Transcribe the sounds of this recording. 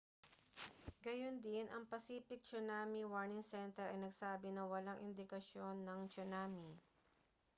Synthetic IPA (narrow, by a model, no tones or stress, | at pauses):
ɡɐjond̪ɪnʔɐŋpɐsiːpɪk̚t͡ʃʊnaːmiwaɹnɪŋsɛnt̪ɛɾɐ̰jnɐɡsaːbɪnɐwɐlaŋʔɪnd̪ɪkɐʃo̞nːɐŋt͡ʃʊnaːmi